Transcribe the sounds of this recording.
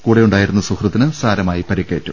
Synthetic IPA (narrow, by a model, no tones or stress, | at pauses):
kuːɽejuɳɖaːjiɾunːɐsukrɐt̪ːinɨsaːɾɐmaːjipɐɾikːḛːtːum